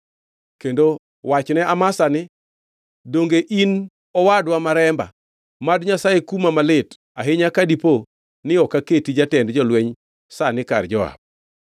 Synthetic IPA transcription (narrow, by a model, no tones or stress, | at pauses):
kendo | wat͡ʃnɛʔamasanɪ | doŋɡeʔin | ɔwadwamaɾɛmba̰ | madɲasajekumamalɪt | aɦɪɲakadipo | nɪɔkaketid͡ʒatɛndd͡ʒɔlwɛɲ | sanɪka̰rd͡ʒɔa̰b̚